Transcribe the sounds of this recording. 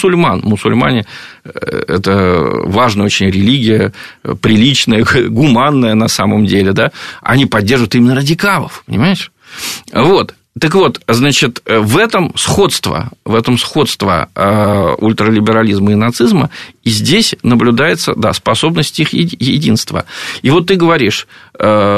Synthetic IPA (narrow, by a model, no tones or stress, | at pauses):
sʊlʲmanmʊsʊ̰lʲma̰nʲɪ | ɛ̰t̪əvaʐnəjəot͡ɕɪnʲɾʲɪlʲiɡʲɪjəpɾʲɪlʲit͡ɕnəjəɡʊmanːəjənɐsaməmdʲelʲɪd̪aɐ̰nʲipɐdʲːerʐvət̪imʲɪnːəɾədʲɪkalˠə̰fpənʲɪ̰majɪʂ | vo̞t̪ː | əkvo̞t̪znat͡ɕɪt̪əvɛt̪əmsxo̞t̪st̪və̰vɛt̪əmsxo̞t̪st̪və̰əʊ̰lʲt̪ɾəlʲɪbʲɪɾɐlʲizməɪnɐt̪sɨzmə̰izʲdʲesʲnəblʲʊd̪ajɪt̪sə̰d̪a̰spɐso̞bnəsʲtʲixjɪjɪdʲinst̪və̰ivo̞t̪ːɨɡəvɐɾʲiʂə